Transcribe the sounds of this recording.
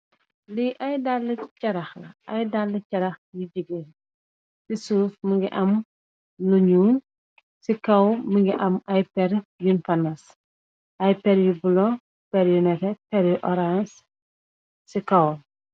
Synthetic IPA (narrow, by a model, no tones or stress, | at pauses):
liʔɐjdalːəcɐɾɐxlɐ̰ɐjdalːəcɐɾɐxjuɟiɡe | sisuːfməŋɡiʔɐm | luɲuːn | sikɐwməŋɡiʔɐmɐjpɛɾjunfɐnɐs | ʔɐjpɛɾjubulɔ | pɛɾjunɛkɛpɛɾjuʔɔɾans | sikɐw